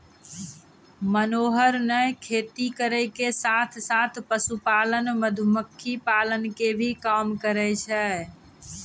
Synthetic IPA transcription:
mənoːɦəɾnəjkʰeːt̪ikəɾɛkesat̪ʰsat̪ʰpəsupalənməd̪ʱʊməkʰːipalənkebʱikamkəɾɛt͡ʃʰɛ

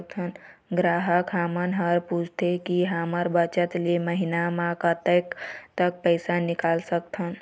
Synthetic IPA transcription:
k̚t̪ʰən | ɡɾaːɦəkɦamənɦəɾput͡ʃʰt̪ʰekiɦəməɾbət͡ʃət̪leməɦinamãkət̪əkt̪ək̚pəɪsanikaːlsək̚t̪ʰən

